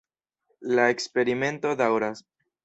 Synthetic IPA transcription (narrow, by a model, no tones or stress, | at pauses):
lae̞kspe̞ɾime̞nto̞dawɾas